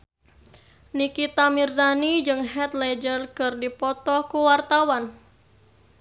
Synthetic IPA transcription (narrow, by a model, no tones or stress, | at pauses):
nikit̪amirdanid͡ʒɨŋɦɛt̪lɛd͡ʒərkɨrdipɔt̪ɔkuwart̪awan